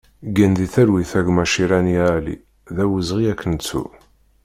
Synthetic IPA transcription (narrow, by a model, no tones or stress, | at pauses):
ɡænðiθæɾwiθæɡmæʃiɾænjælḭ | ðæwəzʁiækːənt͡sːṵ